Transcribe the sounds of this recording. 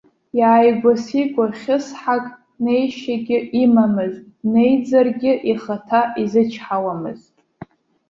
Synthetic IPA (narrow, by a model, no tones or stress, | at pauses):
jaːjɡʷasiɡʷʼarχʲɪsħakʼ | ne̞jʃaɡʲɪimamɨz | ne̞jd͡zarɡʲɪʔiχatʰaʔizɨt͡ʃʰħawamɨ̰ztʼ